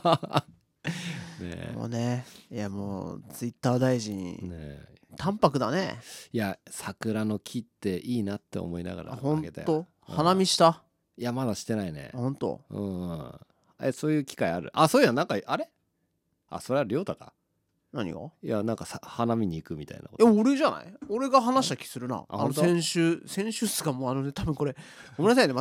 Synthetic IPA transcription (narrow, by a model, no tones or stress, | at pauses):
nḛmo̰ːnejamoːt͡sɨit̪ːaːd̪aiʑĩɲnet̪ãmpakɯ̟d̪anḛjasakɯ̟ɾano̞kʲʰit̪ːe̞ʔiːnat̪ːe̞̰o̰mo̞ina̰ɡa̰ɾʔa̰hõnaket̪a̰j̪o | hanamʲiɕi̥t̪a | jamad̪aɕi̥t̪ːe̞naine̞̰hõnt̪o̰ɯ̰̃ː | eso̞ːjɯ̟ːkʲi̥kaiaɾɯ̟̰ʔasoːanãŋkaʔaɾe̞ | a̰so̞ɾe̞aɾʲo̞ːt̪aka̰ | naɲ̟ḭa̰janãŋkasahanamʲiɲ̟iːkɯ̟mʲit̪a̰inakojamːɾeʑana̰ioɾe̞ɡaɦanaɕi̥t̪akʲi̥sɨɾɯ̟na̰ahãnot̪oseẽɰ̃ɕɨsẽ̞ɰ̃ɕɨsɨɡamoːano̞net̪abɯ̃ŋko̞ɾe̞komenas̬eijne